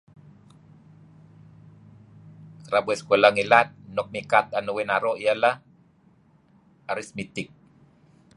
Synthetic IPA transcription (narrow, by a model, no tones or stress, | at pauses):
kɾabuɛskolaŋilat̪̚nɔk̚mikat̪̚anuwenaɾoʔijalah | aɾismit̪ik̚